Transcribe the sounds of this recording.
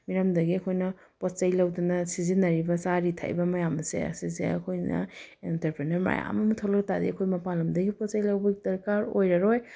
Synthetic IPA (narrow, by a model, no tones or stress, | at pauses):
miɾɐmdɐɡiɐkʰojnɐ | pot͡ʃajlɐwdɐnɐsizinɐɾibɐsaɾitʰa̰jbɐmɐjamɐsḛɐ̰sizḛɐ̰kʰojnɐ̰intɐɾpɾenɐɾma̰ja̰mɐmitʰolɐk̚tadiɐkʰojmɐpalɐmdɐɡipɔt͡ʃajlawbɐɡidɐɾkaɾojɾɐɾoj